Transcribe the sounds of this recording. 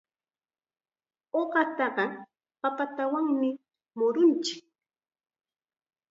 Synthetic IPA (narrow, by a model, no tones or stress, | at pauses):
oɢɑt̪ɑɢɑ | papat̪awaŋmɪ | mʊɾʊnt͡ʃɪ̥k̚